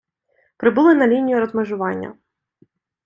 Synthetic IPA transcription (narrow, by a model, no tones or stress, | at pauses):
pɾɪbulˠɪnɐlʲinʲijʊɾɔzmeʒʊʋɑnʲːɐ̰